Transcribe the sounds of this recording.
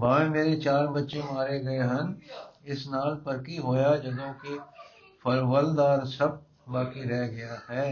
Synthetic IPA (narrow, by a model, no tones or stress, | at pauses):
bãːẽmeːɾet͡ʃaːɾbɐtːʃemaːɾeɡɐeɦɐ̃nɪsnaːlpɐɾkiɦoːjad͡ʒɐd̪õke | fɐɾwəld̪aːɾsɐb̚ | baːkiɾɛɦɡɐjaɦɛː